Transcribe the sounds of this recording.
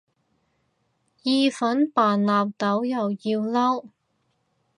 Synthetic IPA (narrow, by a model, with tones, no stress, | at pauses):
jiː˧fɐ˨˥npaː˨˩nlaː˨p̚t̪ɐ˨˥wjɐ˨wjiː˧wlɐ˥w